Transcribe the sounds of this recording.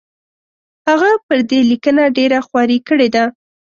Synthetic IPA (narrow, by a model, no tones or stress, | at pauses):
haɣapəɾd̪elikənaɖeɾaxwɑɾikəɽed̪a